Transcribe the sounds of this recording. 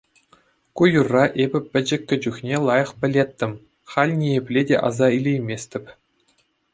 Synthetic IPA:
kujurːɑʔebʲɘ̆pʲɘ̆d͡ʑɘ̆kʲːɘ̆d͡ʑuxnʲelˠɑjɤ̆χpʲɘ̆lʲet̪ʲːɘ̆mʲ | χɑlʲnʲieplʲedʲḛʔɑ̰zɑilʲejmʲesʲt̪ʲɘ̆pʲ

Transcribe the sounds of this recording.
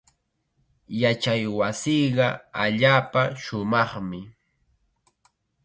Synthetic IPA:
jat͡ʃajwasiɢɑaʎaːpaʃʊmɑχmɪ

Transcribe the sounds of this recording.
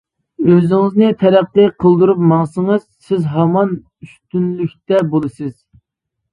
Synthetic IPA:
øzɪŋɪznɪt̪ʰɛɾæqːiqʰəlˠd̪uɾup̚mɑŋsəŋəz̥sɪzɦɑmɑn | yst̪ynlykʲt̪ɛbolˠɨsɨz̥

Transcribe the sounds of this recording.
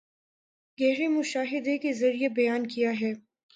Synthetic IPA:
ɡɛːɾemʊʃaːɦɪd̪ekezɐɾijebɐjaːnkijaɦɛː

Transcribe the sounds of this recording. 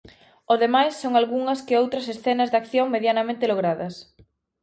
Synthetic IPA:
oðemajsːoŋalɣuŋɐskɪowt̪ɾɐsesθɛnɐzðakθjoŋmeðjanɐmẽnt̪ɪloɣ̞ɾaðɐs

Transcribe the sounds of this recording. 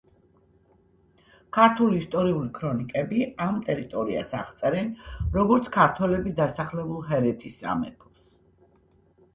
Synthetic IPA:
kʰaɾt̪ʰuliːst̪ʼɔɾiulikʰɾɔnikʼɛbiamt̪ʼɛɾit̪ʼɔɾia̰saʁt̪sʼɛɾɛnɾɔɡɔɾt̪sʰkʰaɾt̪ʰwɛlɛbid̪asaχlɛbulˠɦɛɾɛt̪ʰisa̰mɛ̰pʰɔs

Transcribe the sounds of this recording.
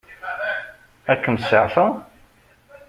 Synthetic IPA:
ækːəmsəʕθæ

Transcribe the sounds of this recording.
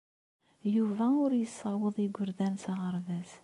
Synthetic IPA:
juvæʊɾjəsˤːɑwəðˤiɡʷʊɾðænsɑʁəɾˤðæs

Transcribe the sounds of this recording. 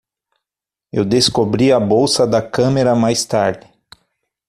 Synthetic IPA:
ewd̪eskobɾiɐbowsɐd̪ɐkɐ̃meɾɐmajst̪aɾd͡ʒ̪ɪ

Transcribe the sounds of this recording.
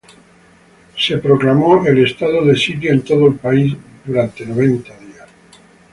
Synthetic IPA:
sepɾoklamoʔelest̪aðoðesit̪jent̪oðoelpaizd̪uɾant̪e̞noβ̞ent̪aðias

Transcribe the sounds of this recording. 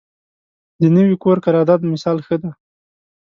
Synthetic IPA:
d̪ənəwikoɾkaɾɑd̪ɑd̪mɪsɑlxəd̪a

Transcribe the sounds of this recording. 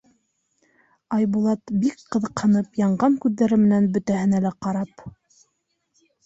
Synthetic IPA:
ɑjbulˠɑt̪bikqɤ̆ðɤ̆qhɤ̆nɤpjɑɴɢɑŋkʉðːæɾɘmɘ̆nænbɵ̆t̪æhɘ̆nælæqɑɾɑp

